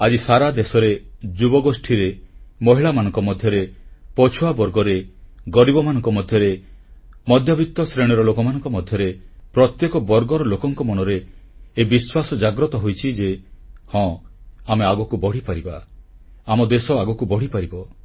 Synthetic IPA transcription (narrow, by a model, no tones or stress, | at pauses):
ad͡ʒisaɾad̪esɔɾed͡ʒubɔɡosʈʰiɾemɔɦiɭamanɔŋkɔmɔd̪ʱjɔɾepɔt͡ʃʰuabɔɾɡɔɾeɡɔɾibɔmanɔŋkɔmɔd̪ʱjɔɾe | mɔd̪ʱjɔbʱit̪ːɔsɾeɽ̃ɔɾɔlokɔmanɔŋkɔmɔd̪ʱjɔɾepɾɔt̪jekɔbɔɾɡɔɾɔlokɔŋkɔmɔɽ̃ɔɾeːbiswasɔd͡ʒaɡɾɔt̪ɔɦojt͡ʃʰid͡ʒehɔ̃ameaɡɔkubɔɽ̤ipaɾiba | amɔd̪esɔaɡɔkubɔɽ̤ipaɾibɔ